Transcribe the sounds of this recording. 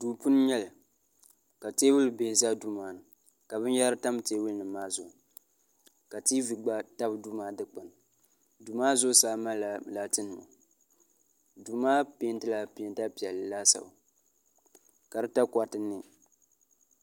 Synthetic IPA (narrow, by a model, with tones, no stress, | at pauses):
duː˨pu˦n˦ɲɛ˦l | ka˨teː˦wʊ˦lɨ˨beː˨za˦du˦maː˨nɨ˨ | ka˨bɨ˦n˦ja˦ɾɨ˦ta˦m˦teː˦wʊ˦lnɨ˨maː˦zʊ˨ | ka˨ti˦vi˨ɡ͡ba˦ta˦bdu˦maː˨˦dɨ˦k͡pa˨n˨ | du˨maː˦zʊ˦saː˦ma˦˨la˨tɨ˦nɨ˨ma̰˨ | duː˨maː˦pe˦ntɨ˦la˦pe˨˦nta˦pi˨ɛ˨lːla˦sa̰˨ | ka˨ɾɨ˦ta˦kʷa˨tɨ˦nɨ˦